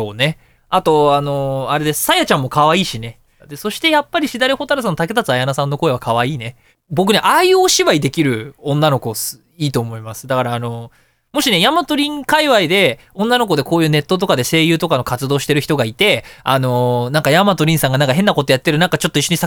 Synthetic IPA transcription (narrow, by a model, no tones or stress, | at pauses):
oːne̞ | at̪o̞ano̞aɾe̞d̪e̞sɨ̥sajat͡ɕãmːo̞kaβaiːɕine̞ | d̪e̞so̞ɕi̥t̪e̞japːaɾʲiɕid̪aɾʲeho̞t̪aɾas̬ãnot̪ake̞t̪at͡sɨajanasãnːo̞ko̞e̞βakaβaiːne̞ | bo̞k̬ɯeʔaiɯoːɕiβaid̪e̞kʲiɾɯ̟õ̞nːano̞ko̞s | iːt̪o̞ːmo̞imasɨ̥d̪akaɾaːno̞ | mo̞ɕine̞jamat̪o̞ɾʲĩŋkaiβaid̪e̞ | õ̞nːanoko̞d̪e̞ko̞ːjɯ̟ːne̞t̪ːo̞t̪̬o̞kad̪e̞se̞ːjɯ̟ːt̪o̞kano̞kat͡sɨd̪o̞ːɕi̥t̪e̞ɾɯ̟çi̥t̪oɡait̪e̞a̰no̞nãŋkajamat̪o̞ɾʲĩɰ̃sãŋɡanãŋkaɦẽ̞nːako̞t̪o̞jat̪ːe̞ɾɯnãŋkat͡ɕo̞t̪ːo̞iɕːo̞ɲ̟isa